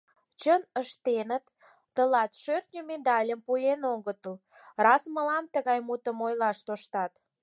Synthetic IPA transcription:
t͡ɕənəʃt̪enət̪ː | əlɑt̪ʃørt̪nʲomed̪ɑlʲəmpujenoɣət̪əl | rɑsməlɑmt̪əɣɑjmut̪əmojlɑʃt̪oʃt̪ɑt̪

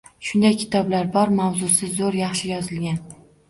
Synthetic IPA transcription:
ʃʊnd̪ajkʲʰɪ̥t̪ʰɒblaɾbɒɾmawzʊsɪzoɾjɑχʃɪjɒzɪlɡʲan

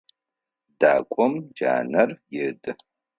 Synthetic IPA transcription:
daːkʷʼɔmd͡ʒa̰ːnɐrjɪdɨ

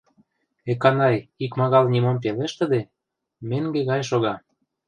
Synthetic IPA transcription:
ekɑnɑjikmɑɣɑlnʲimomp̬eleʃt̪ə̆d̪e | meŋɡeɣɑjʃoɣɑ

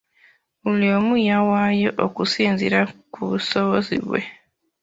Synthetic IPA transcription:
uliomujawajo̞ʔokusiːnziɾakuβusoβozḭβwe̞̰

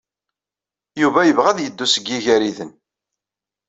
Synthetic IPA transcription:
juvæjəvʁæðjəd̪ːusəɡːiʝæɾiðən

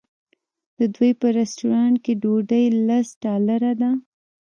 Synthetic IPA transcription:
d̪̥əd̪wujpəɾɛsʈuɾɑɳʈ̚keɖoɖəjlasɖɑlaɾad̪a

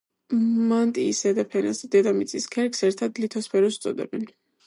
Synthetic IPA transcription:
mant̪ʼiːsɛd̪apʰɛna̰sd̪ɛd̪amit̪sʼiskʰɛɾksɛɾt̪ʰad̪lit̪ʰɔspʰɛɾɔst̪sʼɔ̰d̪ɛ̰bɛn

